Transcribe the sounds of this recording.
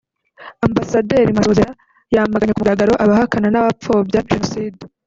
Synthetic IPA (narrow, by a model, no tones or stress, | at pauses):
ambasadeːɾimasozeɾa | jamaɡaɲekumuɡaɡaɾo̞ʔaβahakananaβap͡fo̞ːbjaʒenosiːde